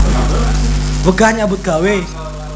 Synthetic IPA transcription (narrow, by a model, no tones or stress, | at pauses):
vəɡaɲabukawe